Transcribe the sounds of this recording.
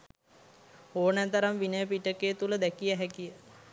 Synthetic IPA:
oːnæt̪əɾamʋinəjəpiʈəket̪uləd̪ækijəɦɛkijə

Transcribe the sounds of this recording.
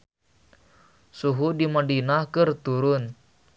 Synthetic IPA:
suɦudimadinahkɨrt̪uɾʊn

